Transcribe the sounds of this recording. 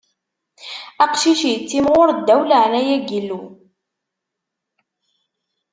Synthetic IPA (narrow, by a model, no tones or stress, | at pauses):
æqʃiʃit͡sːimʁʊɾd̪ːæwləʕnæjæɡilːu